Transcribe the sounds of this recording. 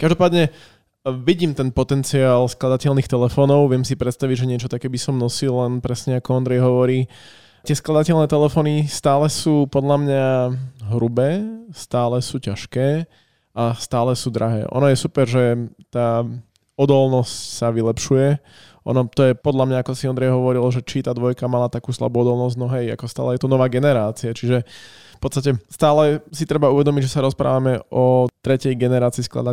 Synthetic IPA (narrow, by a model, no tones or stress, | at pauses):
kaʒd̪ɔpaːd̪ɲɛ | ʋiɟiːmt̪ɛnpɔt̪ɛnt͡siaːlsklˠad̪acɛlnixt̪ɛlɛfɔːnɔʊʋɪɛmsipɾɛt̪st̪aʋiɟʒɛɲɪɛt͡ʃɔt̪akɛːbisɔmnɔsillɛnpɾɛsɲɛakɔɔnd̪ɾɛjɦɔʋɔɾiː | t̪ɪɛsklˠad̪acɛlnɛːt̪ɛlɛfɔːnist̪aːlɛsuːpɔd̪lamɲaɦɾubɛːst̪aːlɛsuːcaʃkɛː | ʔast̪aːlɛsuːd̪ɾaɦɛ̰ːʔɔ̰nɔjɛsupɛɾʒɛt̪aː | ɔd̪ɔlnɔscsaʋilɛpʃujɛ | ʔɔ̰nɔt̪ɔjɛpɔd̪lamɲaakɔsiɔnd̪ɾɛjɦɔʋɔɾilʒɛt͡ʃit̪aːd̪ʋɔjkamalat̪akuːsla̰buːɔd̪ɔlˠnɔsznɔɦɛja̰kɔst̪a̰ːlɛjɛt̪ɔnɔʋaːɡɛnɛɾaːt͡siat͡ʃiʒɛ | fpɔt̪st̪acɛst̪aːlɛsit̪ɾɛbauʋɛd̪ɔmiɟʒɛsaɾɔspɾa̰ːʋamɛʔɔt̪ɾɛcɛjɡɛnɛɾaːt͡siːskla̰d̪a